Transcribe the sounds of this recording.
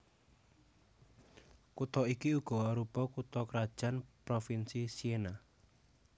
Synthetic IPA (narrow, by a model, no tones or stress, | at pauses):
kut̪ɔikiuɡ̥ɔ̤waɾupɔkut̪ɔkɾad̥ʒ̥anpɾofinsisiena